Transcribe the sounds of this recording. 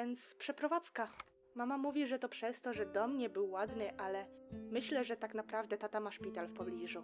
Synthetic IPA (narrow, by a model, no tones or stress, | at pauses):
ɛnt̪spʂɛpɾɔvat̪ska | mamamuvʲiʐɛt̪ɔpʂɛst̪ɔʐɛd̪ɔmɲɛbɘwːad̪nɘʔalɛmɘɕlɛʐɛt̪aknapɾavd̪ɛt̪at̪amaʂpʲit̪alfpɔblʲiʐu